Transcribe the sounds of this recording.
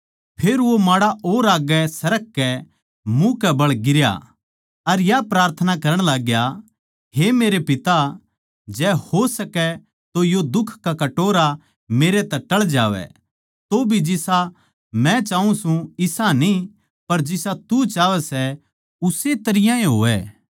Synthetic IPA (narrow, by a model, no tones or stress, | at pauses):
pʰeːɾʋomaːɽaʔoːɾaːɡɛsɐɾək̚kɛ | mũkɛbɐɭɡɪɾja̰ | ɐɾjapɾaːɾt̪ʰənakɐɾə̃ɽ̃laːɡja | ɦemeːɾepɪt̪a | d͡ʒɛːhosɐkɛ | t̪ojod̪ʊkʰkakɐʈoːɾa | meːɾet̪ɛʈːɐɭd͡ʒaːʋɛ̰ | t̪obʱid͡ʒɪsa | mɛ̃t͡ʃaːũsũɪsani | pɐɾd͡ʒɪsat̪ut͡ʃaːʋɛsɛ | ʊset̪ɐɾɪjãẽɦo̰ːɛː